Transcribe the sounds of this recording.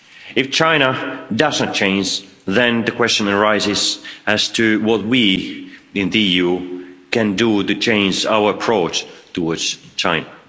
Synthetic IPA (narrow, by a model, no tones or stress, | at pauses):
ɨft͡ʃʰãɪ̃ñədʌznɨt̚t͡ʃʰẽɪ̃nd͡ʒ | ðɨ̃nðɨkʰw̥ɛst͡ʃɨ̃nəɹaɪzɪzɨz̥tʰɨwʌt̚wi | ɪ̃nðiijukɨ̃nduɾɨt͡ʃʰẽɪ̃nd͡ʒaʊə˞əpʰɹ̥oʊt͡ʃtʰəwɔdz̥t͡ʃʰãɪ̃nə